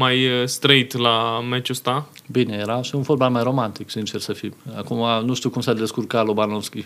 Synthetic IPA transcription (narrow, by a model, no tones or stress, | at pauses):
majst̪ɾəit̪lamet͡ʃust̪abinejeɾaʃiunforbamajro̞mant̪iksint͡ʃersəfima̰kumanuʃt̪iukumsad̪eskurkalobanoskʲi